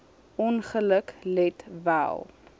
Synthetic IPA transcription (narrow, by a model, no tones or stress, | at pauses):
ɔnχələklɛtvæ̰lˠ